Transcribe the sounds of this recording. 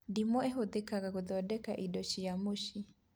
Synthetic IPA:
dimɔɛɦoðekaɣaɣoðɔdɛka̰ʔidɔʃiamoʃi

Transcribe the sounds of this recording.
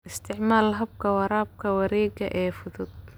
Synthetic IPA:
ʔɪst̪ʰɪʕmaːlɦɐb̚kʰɐwɑɾaːb̚kʰɐwɐɾɛːɡɐʔɛːfʊðʊd̪̚

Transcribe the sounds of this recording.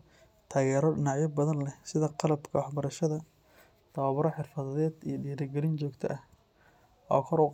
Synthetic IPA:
t̪ʰaːɣɛːɾɔɖɪnɑʕjɐbɐðɐnlɛsɪðɐqɑlɐbkʰɐwɑħbɐɾɐʃɐðɐ | t̪ʰɐwɐβɾɔħɪrfɐðɐðɛːd̪ijɐɖiːɾɐɡɛlɪnt͡ʃɔːɡt̪ʰɐ̰ʔɐh | ʔɔːkʰɔɾʊ

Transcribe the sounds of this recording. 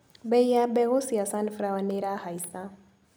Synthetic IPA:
bɛjjabɛɣosijasanfɾawaneɾahaisa

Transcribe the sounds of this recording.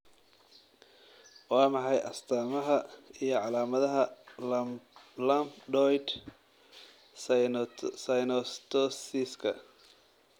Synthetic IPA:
wɑːmɑħɑjʔɐ̰st̪ʰaːmɐɦɐijɞʕɑlaːmɐðɐɦɐ | lɐmpɖɔjd̪ | sɐjnɔst̪ʰɔsɪskʰɐ

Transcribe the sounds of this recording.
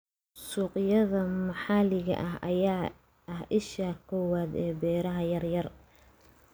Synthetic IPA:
suːqɪjɐðɐmɑħɑːlɪɣɐ̰ʔɐɦɐ̰jaː | ʔɐɦʔɪʃaːkʰɔːwaːd̪ɛːbɛːɾɐɦɐjɐrjɐr

